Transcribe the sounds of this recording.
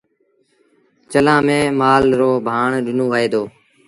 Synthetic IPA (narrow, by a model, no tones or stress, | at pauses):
t͡ʃəlãːmẽːmaːlɾoːbʱaːɳɗɪnõːʋəːeːd̪oː